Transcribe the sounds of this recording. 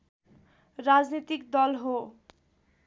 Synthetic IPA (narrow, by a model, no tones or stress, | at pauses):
ɾad͡znit̪ikd̪ɔlɦo